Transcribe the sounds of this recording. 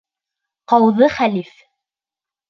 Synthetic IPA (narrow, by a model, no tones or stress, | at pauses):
qɑwðɤχælif